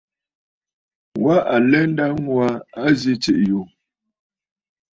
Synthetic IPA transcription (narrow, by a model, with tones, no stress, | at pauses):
wa˦ʔa˨lɛ˦n̩˦da˦ŋwa˦a˦zi˦t͡ʃe˨ʔjo˨